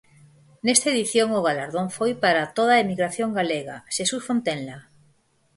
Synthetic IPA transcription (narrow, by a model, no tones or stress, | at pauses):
nest̪aeðiθjoŋoɣ̞alaɾðoŋfojpaɾat̪oð̞aemiɣɾaθjoŋɡaleɣa̰ʃesusfont̪enla